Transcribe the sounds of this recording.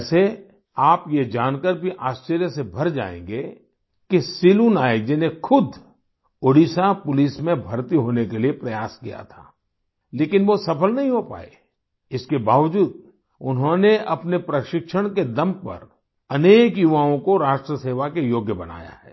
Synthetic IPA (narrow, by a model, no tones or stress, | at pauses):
se | aːpjed͡ʒaːnkəɾbʱiʔaːst͡ʃəɾjəsebʱɐɾd͡ʒa̰ːḛ̃ːŋɡe | kisiluːnaːed͡ʒɪnexʰʊd̪ʱ | oɽisapʊlismẽbʱɐɾt̪iɦoːnekeliepɾɐjaːskija̰t̪ʰa̰ː | leːkɪnʋosɐpəlnɐɦĩɦopa̰ːḛ | ɪskebaːʋd͡ʒuːd̪̚ | ʊnɦõneʔɐpnepɾɐʃɪkʃəɽ̃ked̪ɐmpɐ̰ɾ | ɐneːkjuʋaːõkoɾaːʃʈɾəseːʋakejoːɡʱjəbɐna̰ːja̰ɦɛ̰ː